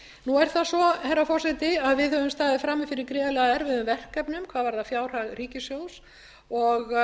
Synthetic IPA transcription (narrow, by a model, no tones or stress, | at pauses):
nuɛɾ̥θasɔhɛɾːafɔr̥sɛt̪ɪaðvɪðhœvʏmst̪aːðɪfɾamːɪfɪɾɪɾkɾɛːalɛɣaɛɾvɪðʏmvɛr̥kːɛpnʏmkʰvaːðvaɾðafjaːwr̥aɣriːcɪsjows | ɔɣ